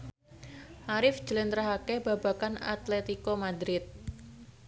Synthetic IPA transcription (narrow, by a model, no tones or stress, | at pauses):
ʔaɾɪfd͡ʒəlɪnt̪ɾaɦakɛbaba̤kana̰t̪lɛt̪ikɔmad̪ɾɪt̪̚